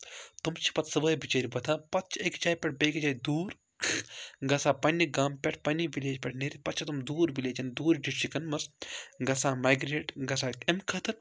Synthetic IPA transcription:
t̪umt͡ʃʰi̥pɐt̪sɐbɐːjbit͡ʃeːɾʲibɐt̪ʰaːpɐt̪̚t͡ʃʰekt͡ʃaːjpʲɛʈ̚ʰbeːkd͡ʒaːid̪uːɾ | ɡɐsaːpɐnːiɡaːmpʲɛʈʰpɐnːiʋileːd͡ʒpʲɛʈʰneɾipɐt̪t͡ʃʰt̪umd̪uːɾbileːt͡ʃɐnd̪uːɾɖiʈʃikɐnmɐsɡɐsaːmaːjɡɾeːʈɡɐsaːkemkʰɐt̪ʰɨɾ

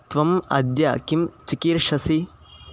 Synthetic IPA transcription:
t̪ʋɐmɐ̰d̪ja̰ːkimt͡ʃikiɾʂɐsi

